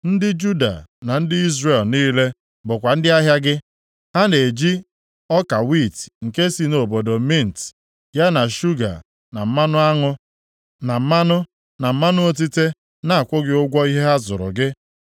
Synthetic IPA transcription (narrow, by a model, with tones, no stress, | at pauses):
n̩˦dɪ˦d͡ʒu˦da̰˨na˨n̩˦dɪ˦i˦zre˦˨lniː˦le˦ | bʊ˨kʷa˨n̩˦dɪ˦a˦ɦja˦ɡɪ˦ | ha˦ne˨d͡ʒi˦ | ɔ˦ka˨wi˦˨tŋ̩˨ke˦si˦no˨bo˨do˨mi˦n̩˨t | ja˦na˨ʃu˦ɡa̰˨ | na˨m̩˦ma˦nʊ˦a˦ŋʊ˦ | na˨m̩˦ma˦nʊ˦ | na˨m̩˦ma˦nʊ˦o˦t̬i˦te˦ | na˦˨kʷʊ˦ɡɪ˦ʊ˦ɡʷɔ˦i˦ɦe˦a˦zʊ˨ɾʊ̰˨ɡɪ˦